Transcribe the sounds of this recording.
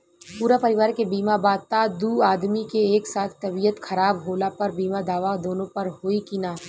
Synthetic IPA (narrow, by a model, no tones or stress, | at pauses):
puːɾapɐɾɪʋaːɾkebiːmabaːd̪̚t̪ad̪uːaːd̪mikeeːksaːt̪ʰt̪ɐbijət̪xɐɾaːbɦoːlapɐɾbiːmad̪aːʋad̪oːnõpɐɾɦoːikinaː